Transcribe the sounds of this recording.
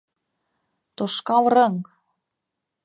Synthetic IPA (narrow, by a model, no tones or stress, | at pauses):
t̪oʃkɑlrɤŋ